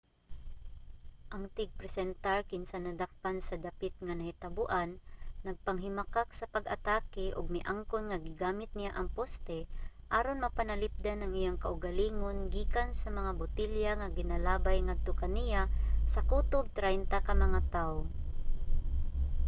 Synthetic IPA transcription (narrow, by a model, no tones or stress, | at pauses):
ʔɐŋt̪ɪɡ̚pɾɛsɛnt̪aɹkɪnsanɐd̪ak̚pansɐd̪apɪt̪̚ŋanɐhɪt̪abʊʔanːɐɡ̚pɐŋɦɪmakak̚sɐpɐɡɐ̰t̪aːkɪʔʊɡ̚mɪʔaŋkonŋaɡɪɡaːmɪt̪̚nɪjaʔɐŋpost̪ɛʔaːɾonmɐpanɐlɪp̚d̪anɐŋʔɪjaŋkaʔʊɡaliːŋonɡiːkansɐmɐŋabʊt̪ɪljaŋaɡɪnalaːbajŋad̪̚t̪okɐnijasɐkuːt̪ob̚t̪ɾajnt̪akɐmɐŋat̪ao